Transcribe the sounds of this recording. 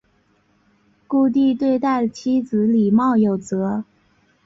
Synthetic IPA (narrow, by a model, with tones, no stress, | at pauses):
ku˥˧t̪̬i˥˧t̪we˥˧ɪt̪a˥˩ɪt͡ɕʰi˥t͡sɹ̩˧˥li˨˩mɑ˥˩ʊjo˨˩ʊt͡sɤ˧˥